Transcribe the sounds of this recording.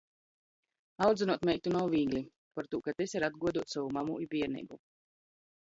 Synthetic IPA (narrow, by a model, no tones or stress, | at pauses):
awd̪zɛnuɔt̪mɛjk̚t̪unawvʲiːɡlʲi | paɾt̪uːkat̪esʲaɾad̪̚ɡuɔd̪uɔt̪savumamuibʲiɛɾnḭɡu